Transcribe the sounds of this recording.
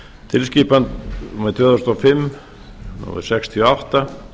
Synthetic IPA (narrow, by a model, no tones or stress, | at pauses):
t̪ʰɪlsciːpant̪mɛðt̪ʰvɛðast̪ɔfɪmː | nɔ̰ɪ̰̥sɛkst̪ʰiɔaht̪a